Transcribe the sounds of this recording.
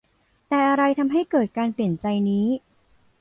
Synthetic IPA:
t̪ɛː˨˩ʔa˧ɾa˧jt̪ʰa˧mɦa˥˩jkɤː˨˩t̪̚kaː˧npli˨˩ənt͡ɕa˧jniː˦˥

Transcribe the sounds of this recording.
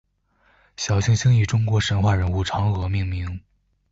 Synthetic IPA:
ɕjɑ˨˩ʊɕi˥˧ŋɕi˥ŋy˨˩ʈ͡ʂʊ˥ŋkwɔ˧˥ʂə˧˥nxwa˥˩ɻə˧˥nu˥˩ʈ͡ʂʰɑ˧˥ŋɤ˧˥mi˥˩ŋmi˧˥ŋ

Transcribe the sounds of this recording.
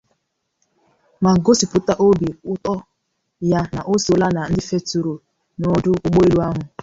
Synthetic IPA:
ma˨ɡo˦si˨pʊ˨ta˦ʔo˦bi˨ʊ˦tɔ˦ | ja˦na˨ʔo˦so˨la˦na˨n̩˦dɪ˦fe˦tu˨ɾo˨ | nɔ˨dʊ˦kʊ˦k͡po˦i˦ɾu˦a˦ɦʊ˨

